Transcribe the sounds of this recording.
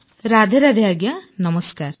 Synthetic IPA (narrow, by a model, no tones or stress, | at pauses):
ɾaːd̪ʱeɾɐd̪ʱjaːɡjanɐmɐskaːɾ